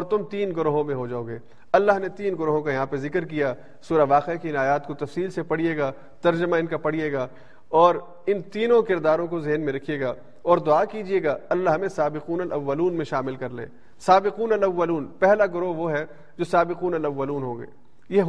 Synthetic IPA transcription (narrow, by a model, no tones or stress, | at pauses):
ɔːɾt̪ʊmt̪iːnɡʊɾoːɦõmẽɦod͡ʒaːoːɡeː | ɐlːaɦnet̪iːnɡʊɾoːɦõkajɐɦãːpezɪkɾk̬ijaː | suːɾaʋaːqekiɪnaːjaːt̪kot̪ɐfsiːlsepɐɽ̤ijeːɡaː | t̪ɐɾd͡ʒəmaɪnkapɐɽ̤ijeːɡaː | ɔːɾ | ɪnt̪iːnõkɪɾd̪aːɾõkozɪɦnmẽɾɐkʰijeːɡaː | ɔːɾd̪ʊaːkiːd͡ʒieːɡaːɐlːaɦmẽsaːbɪquːnɐlʔɐʋːɐluːnmẽʃaːmɪlkɐɾlḛ̃ː | saːbɪquːnɐlɐʋːəluːnpɛɦlaɡʊɾoɦʋoɦɛ | d͡ʒoːsaːbɪquːnɐlɐʋːɐluːnɦõːɡḛː | je